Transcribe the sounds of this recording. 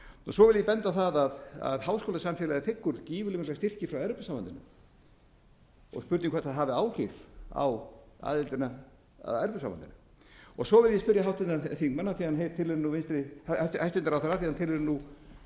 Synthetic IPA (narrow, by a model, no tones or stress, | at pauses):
ɔsɔvɪljɛpɛnt̪aθaðaða̰ðhawskowlasamfɛlaðɪθɪkːʏɾciːvʏlɪmɪt̪last̪ɪr̥cɪfɾawɛɾpʏsawva̰nt̪ɪnʏ̰m | ɔ̰ɣspʏɾt̪niŋkʰɛt̪aðɦaːvɪaːwr̥ifa̰wa̰ːðɪlt̪ɪna | a̰ðɛɾpʏsaːwvant̪ɪnʏ | ɔɣsɔvɪljɛspʏɾjaɦawht̪ɪnaθikmanːaθihanɦeɾt̪ʰɪlɪɾɪnuenst̪ɾɪhajst̪ɪnt̪aɾawθɛɾaθihant̪ʰɪlɛɾɪnu